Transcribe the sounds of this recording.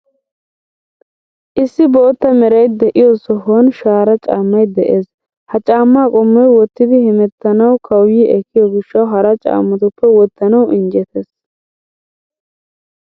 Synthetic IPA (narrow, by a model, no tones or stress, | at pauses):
ʔɪsːɪbo̞ːt̪ːɐmɛɾɐjd̪ɛʔɪjɔsɔɦɔnʃaːɾɐt͡ʃʼa̰ːmːɐjd̪ɛʔeːs | hɐt͡ʃʼaːmːaːkʼɔmːɔjwɔt̪ːɪd̪ɪhɛmɛt̪ːɐnɐwkʰɐwjiːʔɛkːɪjɔɡɪʃːɐwɦɐɾɐt͡ʃʼa̰ːmːɐt̪ʊpːɛwɔt̪ːɐnɐwɪnd͡ʒɛt̪ʰeːs